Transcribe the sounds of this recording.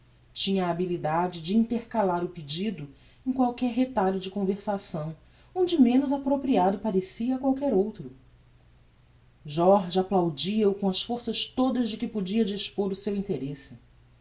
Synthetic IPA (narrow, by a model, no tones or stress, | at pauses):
t͡ʃĩɲɐːbilid̪ad͡ʒɪd͡ʒɪĩt̪eɾkalaɾʊpid͡ʒid̪ʊ | ẽkwawkɛɾɦet̪aʎʊd͡ʒɪkõveɾsasɐ̃w̃ | õd͡ʒɪmẽnʊzapɾopɾiad̪ʊpaɾesiɐkwawkɛɾowt̪ɾʊ | ʒɔɾʒaplawd͡ʒiɐʊkõɐsfoɾsɐst̪od̪ɐzd͡ʒɪkɪpod͡ʒiɐd͡ʒiʃpoɾʊsewĩt̪eɾesɪ